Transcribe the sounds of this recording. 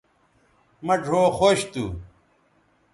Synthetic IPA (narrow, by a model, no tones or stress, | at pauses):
mɐɖʱoːxoɕt̪u